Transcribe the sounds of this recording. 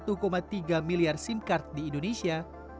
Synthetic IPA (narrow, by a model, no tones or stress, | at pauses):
t̪ukomat̪iɡamiliarsinkart̪̚diːndonesia